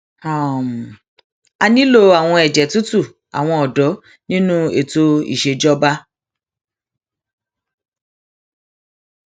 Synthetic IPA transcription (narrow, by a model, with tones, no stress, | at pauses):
a˨m˨ | a˧nĩ˦lo˦˧a˨w̃ɔ̃˧ɛ˨d͡ʒɛ˨tu˦tu˦˨ | a̰˨w̃ɔ̃˧ɔ˨dɔ˨˦ | nĩ˦nũ˦e˦˨to˦ḭ˦˨ʃe˧d͡ʒɔ˦ba˦